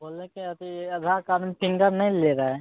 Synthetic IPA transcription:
boːlːẽkiɐt̪iɐd̪ʱakaɾmpɪ̃ŋɡəɾnɐɦĩleɾaɦɛ

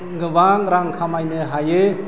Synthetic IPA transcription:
ɡɯbaŋɾaŋkʰamajnɯɦajɯ

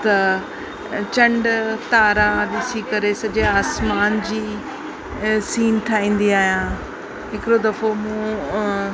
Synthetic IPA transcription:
t̪ɐ | t͡ɕɐ̃ɳɖt̪aːɾãɗ̪ɪsikɐɾesɐd͡ʑeaːsmaːnd͡ʑiː | siːnt̪ʰaːĩːn̆d̪iaːɦijã | ɦɪkɪɾod̪ɐfomũ

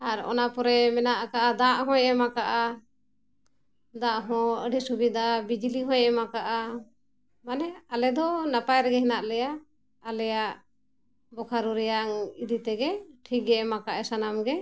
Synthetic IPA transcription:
aɾɔ̰napɔɾɛmɛnaʔkaʔad̪aʔɦɔ̃jɛmakaʔa | d̪aʔɦɔ̃əɖɛsubid̪abid͡ʒiliɦɔ̃jʔɛmakaʔa | manɛalɛd̪ɔnapajɾɛɡɛɦɛnaʔlɛjaː | lɛjaʔ | bɔkʰaɾuɾɛjaŋid̪it̪ɛɡɛʈʰik̚ɡɛmakaʔɛsanamɡɛ

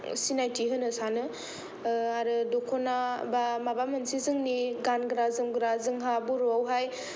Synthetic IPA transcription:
sinajtʰiɦɯnɯsanɯ | aɾɯdokʰonabamabamɯnsizɯŋniɡanɡɾazɯŋɡɾazɯŋɦabuɾoawɦaj

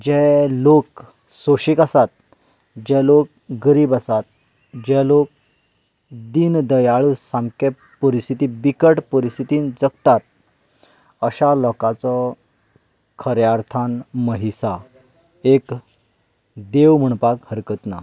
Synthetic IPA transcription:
d͡ʑɛlok | soɕikasat̪̚ | d͡ʑɛlok̚ | ɡəɾiːbasat̪̚ | d͡ʑɛlok̚ | d̪ind̪əjaɭusãmke | pəɾist̪ʰit̪ibikəʈpəɾist̪ʰit̪iːnd͡zəɡt̪at̪̚ | əɕalɔkat͡sɔ | kʰəɾjaɾt̪ʰanməɦisa | ek | d̪eʋm̤əɳ̃pakhəɾkət̪na

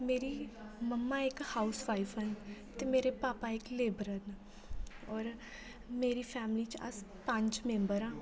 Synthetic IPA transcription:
meːɾiməmːaɪkhaːʊsʋaːɪfɦənt̪emeːɾepaːpaɪkleːbɾən | ɔːɾ | meːɾifʰɛːmlit͡ʃɐ̰spə̃ɲt͡ʃmẽːmbəɾãː

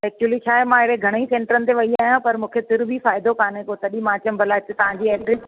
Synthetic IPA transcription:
ɛːk̚t͡ɕuəlit͡ɕʰaːɦemãeɾeɡʱɐɽ̃əisẽːɳʈəɾənɪt̪eʋɐiaːɦijãpɐɾmũːkʰet̪ɪɾbʱifaːɪd̪okaːnẽkot̪ɐɗimãːt͡ɕəmbʱɐlaːɦɪt̪et̪ɐʋ̤ãːɲd͡ʑiɛːʈɾɪs

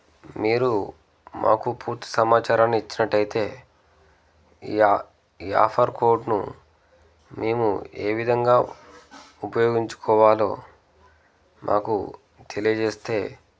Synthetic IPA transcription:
miːɾu | mʔa̰ːkupʰuːɾt̪i̥sɐmaːt͡ʃaːɾaːnːiit͡ʃːinɐʈːɐjit̪e̞ː | iːa̰ːpʰɐɾkʰo̞ːɾɖnṵ | me̞ːmṵe̞̰ːʋid̪ʱɐŋɡaː | upɐjoːɡiɲt͡ʃu̥kʰɔːʋaːlo̞̰ː | mʔa̰ːkṵ | t̪ʰe̞lijɐd͡ʒe̞ːst̪e̞ː

